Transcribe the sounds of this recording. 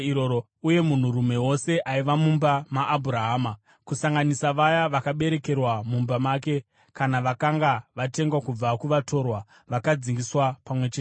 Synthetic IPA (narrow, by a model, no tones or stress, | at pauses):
iɾoɾo | uje̞mun̤urume̞wo̞se̞ʔaiʋamumbamaʔːbʱuɾaɦaːma | kusaŋɡanisaʋajaʋakaɓe̞ɾe̞ke̞rwamumbamaːke̞ | kanaʋakaŋɡaʋate̞ŋɡwakub͡vakuʋato̞rwa | ʋakad͡ziŋɡiswapamwe̞t͡ʃeː